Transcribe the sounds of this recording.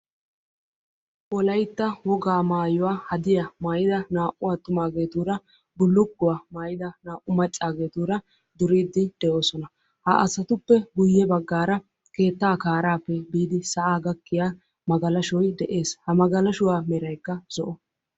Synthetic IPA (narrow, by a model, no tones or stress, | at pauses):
ʔɔlɐjt̪ːɐwɔɡaːmaːjʊwaːhɐd̪ɪjamaːjɪd̪ɐnaːʔʊwat̪ːʊmaːɡe̞ːt̪uːɾɐ | bʊlːʊɡːʊwamaːjɪd̪ɐnaːʔʊmɐt͡ʃʼːaːɡe̞ːt̪uːɾɐ | d̪ʊɾiːd̪ːɪd̪̥ɛʔo̞ːsɔnɐ | hɐʔɐsɐt̪ʊpːɛɡʊjːɛbɐɡːaːɾɐ | ke̞ːt̪ːaːkaːɾaːpːɛbiːd̪ɪsɐʔaːɡɐkːɪjaː | mɐɡɐlɐʃɔjd̪ɛʔe̞ːshɐmɐɡɐlɐʃʊwaːmɛɾɐjkːɐz̥ɔʔɔ